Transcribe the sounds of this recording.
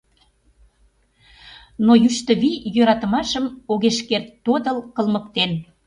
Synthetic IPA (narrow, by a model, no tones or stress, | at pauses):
nojyʃt̪əβijøɾɑt̪ə̆mɑʃəmoɣeʃkert̪ːod̪əlkə̆lməkt̪en